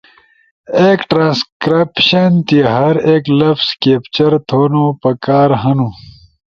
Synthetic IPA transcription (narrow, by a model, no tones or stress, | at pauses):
eːkʈɾãːnskɾipɕɐnt̪iɦɐɾeklɐfskeːpt͡ɕɐɾt̪ʰoːnopɐkaːɾɦɐnũ